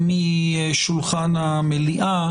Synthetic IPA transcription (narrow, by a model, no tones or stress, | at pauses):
mi | ʃulχana | meliʔa